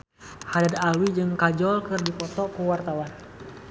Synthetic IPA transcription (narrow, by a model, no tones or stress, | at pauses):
hadadalwid͡ʒɨŋkad͡ʒɔlkɨrdipɔt̪ɔkuwart̪awan